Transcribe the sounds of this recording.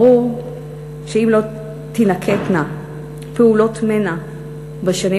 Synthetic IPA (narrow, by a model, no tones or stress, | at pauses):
u | ʃeimlo̞ | t̪inakʰet̪na | peulo̞t̪mena | baʃani